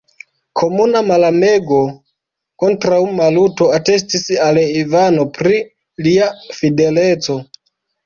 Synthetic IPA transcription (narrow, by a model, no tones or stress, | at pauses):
kʰo̞munamalame̞ɡo̞ | ko̞ntɾawmaluto̞ate̞s̬tisalivano̞pɾi | liafide̞let͡so̞